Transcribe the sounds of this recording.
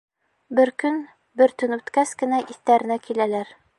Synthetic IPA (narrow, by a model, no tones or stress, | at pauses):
bɘɾkɵn | bɘ̆ɾt̪ɵnʉt̪kæskɘ̆næʔiθt̪æɾɘ̆nækilælæɾ